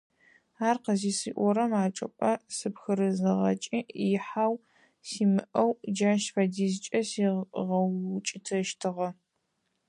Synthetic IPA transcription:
aːrqəziːsḭːʔʷɔɾɐmaːt͡ʃʼɐ̰pʼɐsɨpxɨɾɨzɨʁɐ̰t͡ʃʼiːħaːw | siːmɨʔɐwd͡ʒaːʃfadiːzt͡ʃʼɐsiʁɐt͡ʃʼɪtʰɐʃtʰɨʁɐ

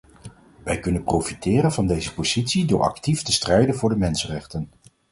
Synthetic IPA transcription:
ʋɛjkɵnənprowfitɪːɾənvɑndejzəpoz̥itsidʊːɹʔɑ̰ktiftəstrɛjdənvʊːɹdəmɛnsənrɛχtən

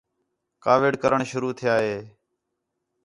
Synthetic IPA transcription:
kaːʋɪɖkəɾəɳʃʊɾuːt̪ʰɪjaːɦeː

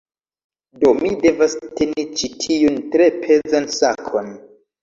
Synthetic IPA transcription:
do̞mide̞vaste̞nit͡ʃitʰiuntɾe̞pʰe̞zansakʰon

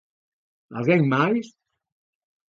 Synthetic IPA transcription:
a̰zɛŋmajs

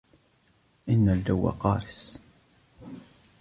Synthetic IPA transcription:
inːæld̪æwːa̰qɑɾˤəs

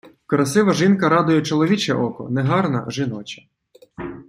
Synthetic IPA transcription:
kɔɾɐsɪʋɐʒinkɐɾɑd̪ʊjɛt͡ʃɔlˠɔʋʲit͡ʃɛ̰ʔɔkɔ̰nɛɦɑrnɐ̰ʒɪnɔt͡ʃɐ̥

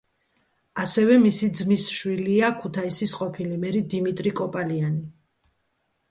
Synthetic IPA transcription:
asɛvɛmisid̪zmisʃwiliakʰut̪ʰaisisqʼɔpʰilimɛɾid̪imit̪ʼɾikʼɔpʼaliani

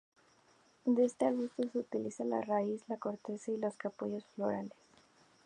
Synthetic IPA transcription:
d̪eest̪eaɣust̪oseut̪ilisala̰raislako̞ɾt̪e̞sailo̞skapoʝo̞sflo̞̰ɾales

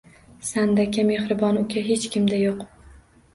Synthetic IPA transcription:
sand̪akʲʰame̞hɾɪbɒnʊkʲʰaɦet͡ʃkʲʰɪmd̪ajoq

